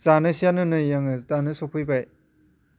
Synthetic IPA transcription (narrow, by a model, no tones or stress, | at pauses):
zanɯsijanɯnɯjaŋɯtanɯsopʰɯjbaj